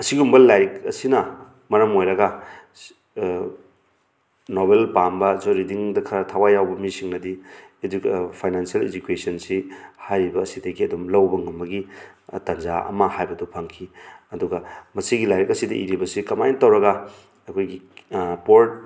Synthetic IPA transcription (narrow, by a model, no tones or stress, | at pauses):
ɐsiɡumbɐlːajɾkɐ̰sinɐ | mɐɾɐmojɾɐɡɐ | noβelpambɐzoɾidiŋdɐkʰɐɾɐtʰawajawbɐmisiŋnɐdi | pʰajnansijɐled͡ʒukesɐnsihajɾibɐːsidɐɡiɐdumlɐwbɐŋumːɐɡitɐnzaɐ̰mɐhajbɐdupʰɐŋkʰiɐduɡɐmɐsiɡilajɾkɐsidɐʔiɾibɐsikɐmajntɐwɾɐɡɐ | ɐkʰojɡipoɾt̚